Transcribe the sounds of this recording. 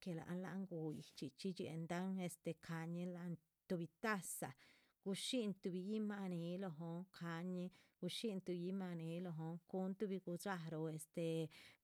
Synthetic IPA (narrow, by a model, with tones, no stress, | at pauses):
ke˧la̰˨ʔnla̰˧˦ŋɡu˧ji˨t͡ʃi˧t͡ʃi˦t͡ʃḛ˧˨nd̪a˦ŋe˧st̪e˨kʰa˧ɲi˧la˧n | t̪u˧bi˧t̪a˦sa˨ | ɡ̥u˧ʃi˦nt̪u˧bi˧ji˦ma˧ni˧˦lo˧ɦo˧ŋkʰa˧ɲi˧ɡ̥u˧ʃi˦nt̪u˧ji˦ma˧ni˧˦lo˧ɦo˧ŋku˦nt̪u˦bi˧ɡu˧d͡ʒa˧ɾo˧e˧st̪e˧